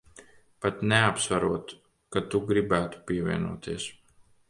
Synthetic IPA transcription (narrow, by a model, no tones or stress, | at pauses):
pat̪nɛapsvaɾuɔt̪ | kat̪uɡɾibæːt̪u̥piɛvʲiɛnṵːt̪iɛs